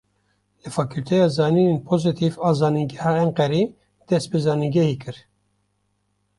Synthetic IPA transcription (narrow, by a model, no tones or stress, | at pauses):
lɨfɑkult̪ʰɛjɑːzɑːninenpʰozɨt̪ʰivɑːzɑːniɡɛhɑɛŋqɛɾi | d̪̥ɛst̪̚bezɑːniɡʲɛhikɨɾ